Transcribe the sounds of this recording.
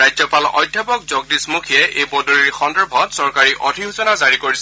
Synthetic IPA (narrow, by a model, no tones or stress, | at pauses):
ajzɔpalɔ̰jdʱjapɔk̚zɔɡ̚dismukʰiɛʔejbɔduɹiɹxɔndɛɹbʱɔtsɔɹkaɹiʔɔdʱiɦusɔnazaɹikoɹis